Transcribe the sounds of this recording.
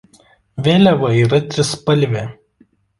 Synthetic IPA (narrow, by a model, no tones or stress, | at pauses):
ʋʲeːlʲɛʋɐiːɾɐt̪ʲɾʲɪspɐlʲʋʲe